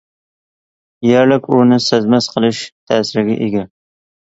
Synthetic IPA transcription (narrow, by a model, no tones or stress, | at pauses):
jɛɾlɪkʲʊnɪsæzmɛsqʰəlˠɨʃt̪ʰæːsɪɾɡʲɛ̰ʔeɡʲɛ